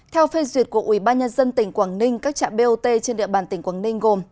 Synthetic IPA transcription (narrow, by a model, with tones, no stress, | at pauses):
t̪ʰɛ˧wfe˧zwi˨˩ət̚ku˧˩əʔwi˧˩˦ɓaː˧nɲə˧nzə˧nt̪ï˨˩˦ŋ̟kwaː˧˩ŋnï˧ŋ̟kaː˦˥k̚t͡ɕa̰ː˧˨ɓe˧ʔo˧t̪e˧t͡ɕe˧nɗḭ˧˨əɓaː˨˩nt̪ï˨˩˦ŋ̟kwaː˧˩ŋnï˧ŋ̟ɣo˨˩m